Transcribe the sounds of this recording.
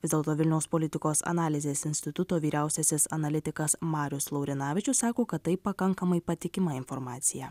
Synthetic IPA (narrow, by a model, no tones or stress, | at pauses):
ɪzd̪ʲelˠt̪oːʋʲɪlʲnʲɛʊspolʲɪt̪ʲɪkoːsɐ̰nɑːlʲɪzʲeːsɪnʲsʲt̪ʲɪt̪ʊt̪oːʋʲiːɾʲæˑʊsʲɛsʲɪsɐnɐlʲɪt̪ʲɪkɐsmɑːɾʲʊslˠɐʊɾʲɪnɑːʋʲɪt͡ʃʲʊssɑːkoːkɐt̪t̪ːɐɪppːɐkɐŋkɐmɐɪpɐt̪ʲɪkʲɪmɐɪnfɔɾmɑːt̪sʲɪjɛ